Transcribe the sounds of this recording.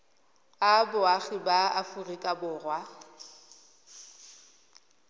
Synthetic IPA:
abʊaɣɪbaafʊrikʼabʊːrwa

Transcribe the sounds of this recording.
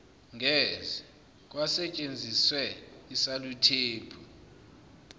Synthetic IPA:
ŋʱɛzɛ | k̬ʼwasɛt͡ʃʼend͡zʱiswɛisalutʰeːpʰu

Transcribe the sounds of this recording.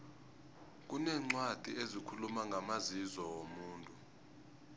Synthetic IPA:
k̬ʼunɛːŋ͡ǀwad̥ʱiezikʰulumaŋɡʱamazizɔwomuːntʼu

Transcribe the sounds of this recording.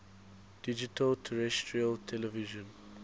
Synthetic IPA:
d̥id͡ʒitʰəltʰəɹɛstʰɹiəltʰɛlɛviʒə̃n

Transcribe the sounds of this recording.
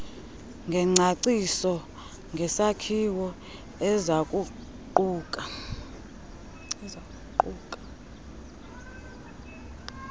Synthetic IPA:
ŋɡʱɛŋ͡ǀʱaǀisɔ | ŋɡʱɛsakʰiwɔ | ɛzakʼu | ǃuːkʼa | ɛzakʼuǃuːkʼḁ

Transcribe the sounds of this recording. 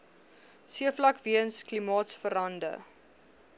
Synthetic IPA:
siəflɐkviəənsklimɑːtsfəɾɐndə̰

